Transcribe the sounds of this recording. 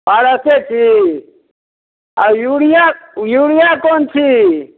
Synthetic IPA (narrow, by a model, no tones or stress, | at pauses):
paɽəset͡ʃʰi | ajuɽijajuːɽijaːkoːnt͡ʃʰi